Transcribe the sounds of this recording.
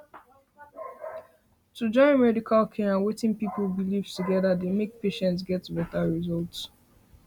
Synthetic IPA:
tud͡ʒɔ̃ɪ̃nmɛdikʰalkʰɛ̃ãnwetɪ̃ŋpipl̩ˠbilivtʰuɡɛðademek̚peʃɛ̃ntsɡɛtbɛtaɹizɔlts

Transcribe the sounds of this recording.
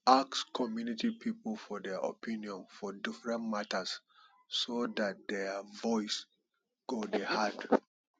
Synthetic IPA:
akskʰɔmjunitipʰiplfɔdɛʔo̰pʰĩniɔ̃nfɔdifɹɛ̃ntmatəs | sodat̚dɛvɔɪs | ɡ̥odehad

